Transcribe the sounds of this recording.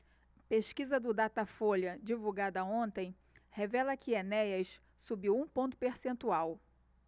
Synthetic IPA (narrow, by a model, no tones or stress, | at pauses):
peʃkizɐd̪ʊd̪at̪ɐfolɐd͡ʒivuɡad̪ɐõnt̪ẽj̃ | hevɛlɐkʰɪenɛjɐs | subiwũpõnt̪ʊ̥peɾsẽnt̪uaw